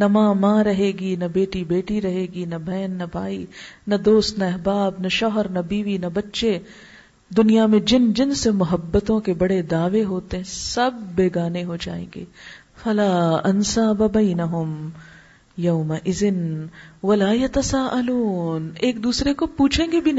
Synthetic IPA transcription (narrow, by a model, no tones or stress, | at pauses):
nɐmãːmãːɾɐɦeːɡinɐbeːʈibeːʈiɾɐɦeːɡinɐbʱɐːnːɐbʱaːinɐd̪oːst̪nɐɐɦbaːbnɐʃɔːɦəɾnɐbiːʋinɐbɐtːʃe | d̪ʊnijamẽd͡ʒɪnd͡ʒɪnsemʊɦəbːət̪õkebɐɽed̪aːʋeɦoːt̪eɦɛ̃sɐbːeːɡaːneɦod͡ʒa̰ːḛ̃ːŋɡḛː | fɐlaːɐnsaːbɐbɐɪnɐɦʊm | jɐʊmɐʔɪzɪnʋɐlaːjɐt̪ɐsaːʔɐluːneːk̚d̪uːsɾekopuːt͡ʃʰẽːŋɡebʱin